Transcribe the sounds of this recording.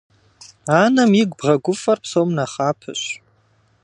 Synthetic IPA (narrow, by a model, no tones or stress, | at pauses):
aːnɐmiɡʷbʁɐɡʷʊfɐrpsowmnɐχaːpʰɨ̰ɕ